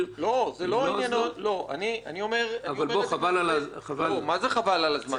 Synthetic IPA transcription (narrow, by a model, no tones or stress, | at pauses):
lo̞zeloijanotlo̞ʔa̰nianio̞me̞ʁaavialmboχavalalaχavalomazeχavalalazma